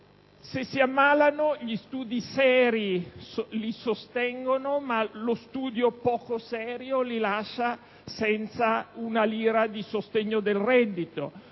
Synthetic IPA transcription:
sesiamːaːlanoʎist̪uːd̪isɛːɾilisost̪ɛŋɡonomalost̪uːd̪jopɔːkosɛːɾjolilaʃːa | sɛnt̪saunaliːɾad̪isost̪ɛɲːod̪elrɛd̪ːit̪o

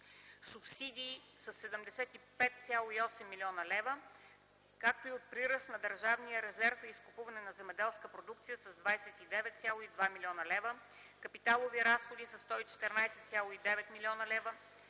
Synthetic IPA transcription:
supsid̪iːsɐsːɛd̪əmd̪ɛsɛt̪ipɛt̪̚t̪sʲjalˠoiɔsɛmːilʲiɔnəlɛvə | kak̚t̪oiot̪̚pɾiɾəsnɐd̪əɾʒavnijəɾɛzɛɾfəiskʊpuvɐnɛnɐzɛmɛd̪ɛlˠskəpɾod̪uk̚t̪sijəsɐzd̪vajsɛt̪id̪ɛvɛt̪t̪sʲjalˠoid̪vamilʲɔnəlɛvə | kɐpit̪alˠoviɾasxod̪isɐst̪ɔit͡ʃɛ̥t̪ɛɾnajsɛt̪sʲjalˠoid̪ɛvɛt̪milʲiɔnəlɛvə

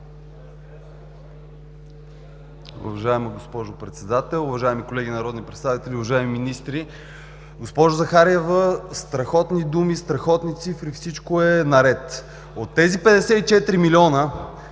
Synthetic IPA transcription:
ṵvɐʒaɛməɡospɔʒopɾɛt̪sɛd̪at̪ɛlˠʊvɐʒaɛmikolɛɡinɐɾɔd̪nipɾɛt̪st̪avit̪ɛlʲiʊvɐʒaɛmiminist̪ɾi | ɡospɔʒʊzɐxaɾɛvəst̪ɾɐxɔt̪nid̪umist̪ɾɐxɔt̪nit̪sifɾifsit͡ʃkoɛnɐɾɛt̪ | ot̪ːɛzipɛd̪ɛsɛt̪it͡ʃɛt̪ɾimilʲiɔnə

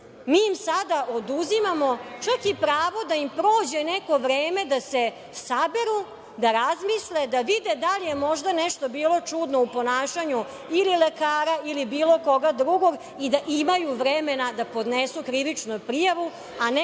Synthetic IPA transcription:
miːimsad̪aʔod̪uzimamo̞t͡ʃakipɾaːʋo̞d̪aimpɾo̞ːd͡ʑenɛko̞ʋɾeːme̞d̪ase | sabeɾu | d̪aɾazmisled̪aʋid̪ed̪alijemo̞ʒd̪anɛʃt̪o̞biːlˠo̞t͡ʂud̪noupo̞naːʃaɲu | ililekaːɾailibiːlo̞ko̞ɡad̪ɾuɡo̞ɡ | id̪aʔimajuʋɾemenad̪apo̞d̪nesukɾiʋit͡ʃnupɾijaʋu | an

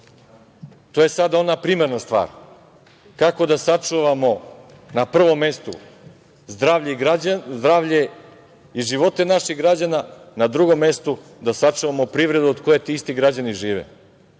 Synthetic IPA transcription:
t̪oːje̞sad̪ao̞napɾiːmeɾnast̪ʋa̰ːɾ | kako̞d̪asat͡ʂuʋamo̞ | napr̩ʋo̞mːe̞st̪ṵ | zd̪ɾaʋʎeazd̪ɾaːʋʎe | iʒiʋo̞t̪e̞naʃiɣɡɾad͡ʑananad̪ɾuɡo̞mːe̞st̪ud̪asat͡ʂuʋamopɾivɾe̞d̪uod̪ko̞je̞t̪iist̪iɡɾad͡ʑaniʒiːʋḛ

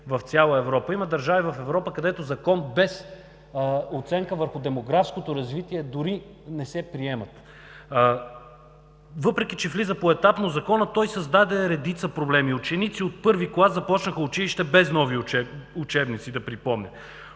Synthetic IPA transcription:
vɐft̪sʲjalˠəɛvɾɔpəimɐd̪ɐɾʒavivɐfɛvɾɔpəkɐd̪ɛt̪ozɐkɔnbɛs | ot̪sɛŋkəvəɾxʊd̪ɛmoɡɾafskot̪oɾɐzvit̪iɛd̪ʊɾi | nɛsɛpɾiɛmɐt̪ | vɤpɾɛk̟it͡ʃɛflizəpoɛt̪apnozɐkɔnət̪ɔjsɐzd̪ad̪ɛɾɛd̪it̪səpɾoblɛmiʊt͡ʃɛnit̪siot̪̚pɤɾviklˠasɐpɔt͡ʃnəxəʊt͡ʃiliʃt̪ɛbɛznɔviɛut͡ʃɛbnit̪sid̪ɐpɾipɔmnʲɛ

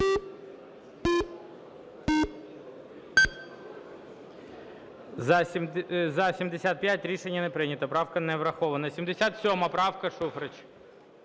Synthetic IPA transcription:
zɐsʲimd̪esʲat̪̚pʲjat̚ʲɾʲiʃenʲːɐnɛpɾɪnʲɐt̪ɐpɾɑwkɐnɛʋɾɐxɔʋɐnɐsʲimd̪esʲat̪sʲɔmɐpɾɑwkɐʂufɾɐt͡ʃ

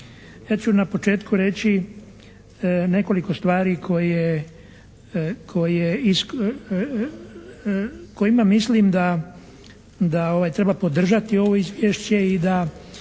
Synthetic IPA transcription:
jaːt͡ɕunapo̞t͡ʃe̞ːt̪kuɾe̞t͡ɕi | ne̞ko̞liko̞st̪ʋaːɾikʰo̞je | kʰo̞jeis | ko̞imamisliːmd̪a | d̪ao̞ʋajt̪ɾe̞bapo̞d̪r̩ʒat̪io̞ʋo̞izʋʲjeːʃt͡ɕe̞id̪a

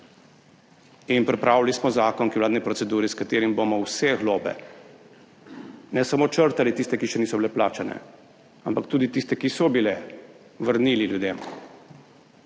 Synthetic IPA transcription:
inpɾɛpɾaːwlalismɔzaːkɔŋkiwlaːd̪nipɾɔt̪sɛd̪uːɾiskat̪eːɾimbomɔwsɛɣloːbɛ̰ | nɛsamoːt͡ʃəɾt̪alit̪ist̪ɛkiʃɛniːsɔbilɛplaːt͡ʃanɛ̰ | ampakt̪uːd̪it̪ist̪ɛkisɔbilɛ | ʋəɾniːliljud̪em

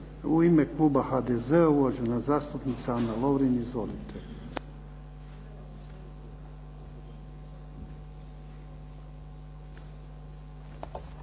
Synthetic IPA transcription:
uimeklˠuːbaxad̪ezeulad͡ʒunazaːst̪upnit̪sanaloʋɾinizʋolit̪ʰe

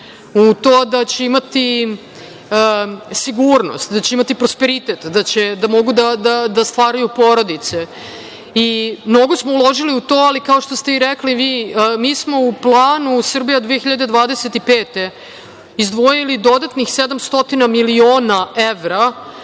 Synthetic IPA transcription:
ut̪oːd̪at͡ɕeimat̪i | siɡuɾno̞̰st̪d̪at͡ɕeimat̪ipɾospeɾit̪et̪d̪at͡ɕed̪amo̞ɡud̪ad̪ad̪ast̪ʋaːɾajupo̞ɾo̞d̪it̪se̞ | imno̞ɡo̞smoulˠo̞ʒiliut̪o̞ːalikao̞ʃt̪ost̪e̞iɾekliʋiːmiːsmo̞uplˠaːnusr̩bijad̪ʋiexiʎad̪e̞d̪ʋaːd̪eset̪ipeːt̪e̞ | izd̪ʋo̞jilid̪o̞d̪at̪nixsed̪amst̪o̞t̪inamilioːnaeʋɾa

